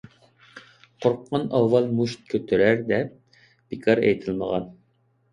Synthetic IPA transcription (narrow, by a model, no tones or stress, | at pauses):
qʰoɾqʰːɑnɑwːɑlˠmuʃt̪̚kʲʰøt̪ʰyɾæɾd̪ɛp̚ | b̥ikʰɑɾɛ̰jt̪ʰɪlˠməʁɑn